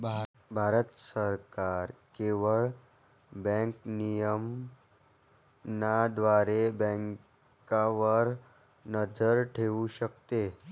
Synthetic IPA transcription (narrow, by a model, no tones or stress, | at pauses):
bʱa | bʱaːɾət̪səɾkaɾkeʋəɭ | bɛ̃ŋknijəm | nad̪ʋaɾebɛ̃ŋk | kaʋəɾ | nəd͡ʒəɾʈʰeuɕəkt̪e